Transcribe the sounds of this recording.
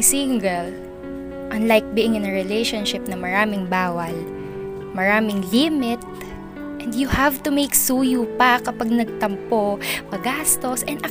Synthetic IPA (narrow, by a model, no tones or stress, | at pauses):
siŋɡɛl | ʔɐnlajk̚biːʔɪŋɪnɹɪlejʃonʃɪp̚nɐmɐɾaːmɪŋbaːwɐl | mɐɾaːmɪŋlimɪt̪̚ | ʔɛnd̪jʊhavt̪ʊmejksuːjupɐkɐpaɡ̚nɐɡ̚t̪ɐmpomɐɡaːst̪o̞sʔɛnʔɐ